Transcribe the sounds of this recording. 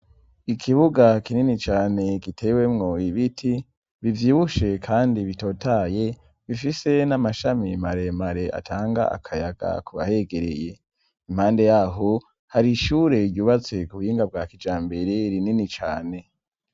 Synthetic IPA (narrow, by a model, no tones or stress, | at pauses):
ikʰiβuɡakininit͡ʃaːne̞ɡitʰe̞we̞mŋo̞iβitʰi | βivjiːβuʃe̞kʰaːndiβito̞ːtʰaje̞ | βifise̞namaʃamimaɾe̞maɾe̞ʔa̰tʰaːŋɡa̰a̰kʰajaɡ̥a̰kuβa̰he̞ɡe̞ɾḛje̞ | imhaːnde̞jaɦo | haɾiʃuːɾe̞juːβat͡se̞kuβhiːŋɡab̚ɡaːkid͡ʒaːmbe̞ɾeɾininit͡ʃaːne̞